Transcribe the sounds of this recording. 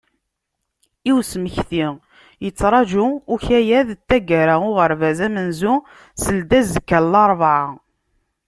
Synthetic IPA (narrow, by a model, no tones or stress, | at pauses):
iwsməçθi | jət͡sːɾˤɑʒuʊçæjæðt̪ːæɡæɾaʊʁəɾvæzæmənzu | səld̪æzəkːælːɑɾˤvʕa